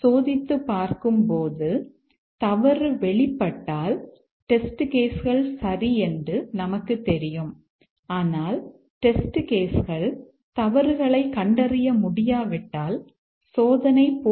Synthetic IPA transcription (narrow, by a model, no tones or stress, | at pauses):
soːðɪt̪ːɯpːaːɾkɯmpoːðɯ | t̪ɐʋɐɾɯʋɛɭɪpːɐʈːaːl | ʈɛsʈɯkeːsɣɐɭsɐriɛndrɯnɐmɐkːɯt̪ːɛɾɪjɯm | aːnaːl | ʈɛsʈɯkeːsɣɐɭ | t̪ɐʋɐɾɣɐɭɐɪkɐɳɖɐrɪjɐmʊɽɪjaːʋɪʈːaːl | soːðɐnɐɪpː